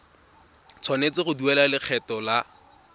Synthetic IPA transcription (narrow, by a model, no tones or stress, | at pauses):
t͡sʰwanet͡sɪχʊduɛlalɪk͡xʰɛtɔla